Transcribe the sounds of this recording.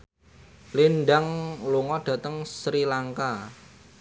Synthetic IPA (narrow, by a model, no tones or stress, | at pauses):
linɖaŋluŋɔɖ̥ä̤t̪əŋsɾilaŋka